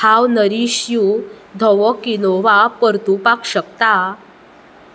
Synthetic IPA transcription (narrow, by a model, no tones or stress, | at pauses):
hʰawnəɾiɕjud̪ʱɔʋɔkinoʋapəɾt̪upakɕək̚t̪a